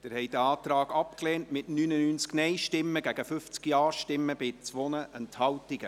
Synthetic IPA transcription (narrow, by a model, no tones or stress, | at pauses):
d̥ɪɾhɛjd̥əɑːtɾɑːɡ̥ɑpkleːntmɪtnyːnənyːnt͡sknɛɪʃtɪmːəɡæɡ̥əfʏft͡skiɑːʃtɪmːəb̥ɪt͡sʋɔnəʔənthɑwtiɡə